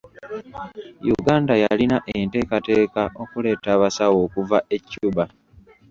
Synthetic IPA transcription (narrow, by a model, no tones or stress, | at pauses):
jṵɡaːndajalinaʔente̞ːkate̞ːkaʔo̞kule̞ːtaːβasawo̞ːkuvae̞cːuːba